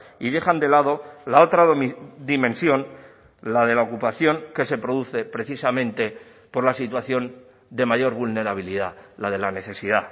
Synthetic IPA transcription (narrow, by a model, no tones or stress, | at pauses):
iðe̞χand̪e̞lað̞o̞lao̞t̪ɾad̪imẽ̞nsjo̞n | lað̞e̞laokupaθjo̞ŋke̞se̞pɾo̞ðuθe̞pɾe̞θisamẽ̞nt̪e̞ | po̞ɾlasit̪waθjo̞n | d̪e̞maʝo̞ɾβulne̞ɾaβ̞iliðalað̞e̞lane̞θe̞siða